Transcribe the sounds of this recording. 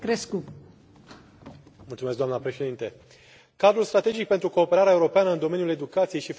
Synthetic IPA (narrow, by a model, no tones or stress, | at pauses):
kɾesku | mult̪sume̞skd̪oamnəpɾe̞ʃe̞d̪int̪e | kad̪ɾulst̪ɾat̪e̞d͡ʒik̚pent̪ɾuko̞ːpeɾaɾeae̞uɾo̞peanəɨnd̪o̞me̞nijule̞d̪ukat̪sije̞jʃif